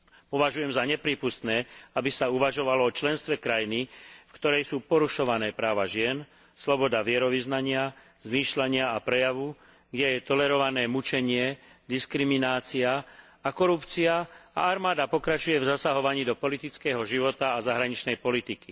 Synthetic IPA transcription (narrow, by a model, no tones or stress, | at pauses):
pɔʋaʒujɛmzaɲɛpɾiːpust̪nɛːabisauʋaʒɔʋalɔɔt͡ʃlɛnst̪ʋɛkɾajinifkt̪ɔɾɛjsuːpɔɾuʃɔʋanɛːpɾaːʋaʒɪɛn | slɔbɔd̪aʋɪɛɾɔʋiznaɲɪa | z̥miːʃlaɲɪaapɾɛjaʋu | ɡɟɛjɛt̪ɔlɛɾɔʋanɛːmut͡ʃɛɲɪɛd̪iskɾiminaːt͡sia | akɔɾupt͡siaa̰aɾmaːd̪apɔkɾat͡ʃujɛvzasaɦɔʋaɲiːd̪ɔpɔlit̪it͡skɛːɦɔʒiʋɔt̪aːzaɦɾaɲit͡ʃnɛjpɔlit̪iki